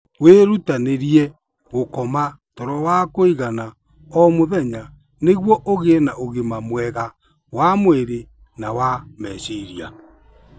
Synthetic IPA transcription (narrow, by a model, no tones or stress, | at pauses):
weɾutaneɾiɛ | ɣokɔma | tɔɾɔwakoiɣana | ɔmoðɛɲa | neɣwɔʔoɣenaʔoɣemamwɛɣa | wamoeɾe | nawamɛsiɾia